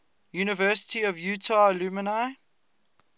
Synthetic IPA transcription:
juːnɪvɜːˑsɪ̥tiɔvjutʰalumənaɪ

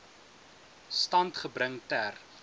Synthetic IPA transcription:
stɐntχəbɾəŋtær

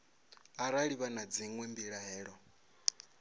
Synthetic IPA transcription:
aɾaɺiβanad͡ziŋwɛmbiɺaɦɛːɺɔ

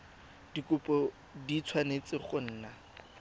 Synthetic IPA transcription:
d̥ikʼʊpʼɔ | dit͡sʰwanet͡sʼɪχʊn̩ːna

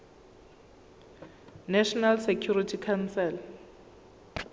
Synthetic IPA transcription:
naʃɔnalsekʰjuritʰikʰansɛl

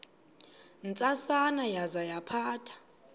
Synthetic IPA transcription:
nt͡sʼasanajazajapʰaːtʰḁ

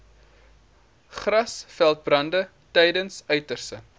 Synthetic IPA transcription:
χrɐsfælˠt̚brɐndə | tɛjdənsœɥtərsə

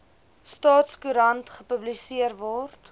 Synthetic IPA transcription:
stɑːtskuɾɐntχəpəblisiərvɔrt

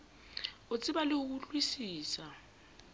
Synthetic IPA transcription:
ʊt͡sʼɪbalɪʊk̬uɬʼwisiːsa

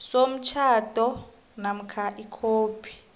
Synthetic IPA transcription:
som̩t͡ʃʰatʼɔ | nam̩kʰaʔikʰoːpi̥

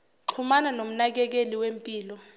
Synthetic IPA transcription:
ǁʰumananom̩nak̬ɛk̬eliwempʼiːlɔ

